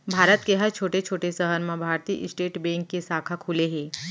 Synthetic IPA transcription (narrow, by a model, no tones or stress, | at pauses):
bʱaːɾət̪keɦɐɾt͡ʃʰoːʈet͡ʃʰoːʈesəɦəɾmẽbʱaːɾt̪iːʔɪsʈeːʈbɛ̃ːŋkːesaːkʰakʰuːleɦɛ̃ː